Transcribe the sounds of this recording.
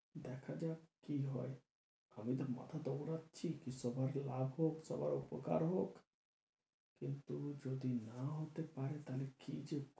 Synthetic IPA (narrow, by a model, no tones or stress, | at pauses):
d̪ɛkʰad͡ʑakiɦɔe | amit̪ama̰t̪ʰad̪obɾatːʃʰikisɔbʱaɾlabʱɦoksɔ̰baɾopoka̰ɾɦok | kint̪ud͡ʒod̪inaɦot̪epaɾet̪alekid͡ʑe